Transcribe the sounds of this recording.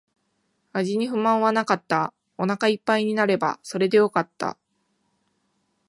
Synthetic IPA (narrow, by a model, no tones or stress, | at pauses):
aʑiɲ̟iɸɯ̟mãɰ̃βanakat̪ːa | o̞nakaipːaiɲ̟inaɾe̞ba̰so̞ɾe̞d̪e̞jo̞kat̪ːa̰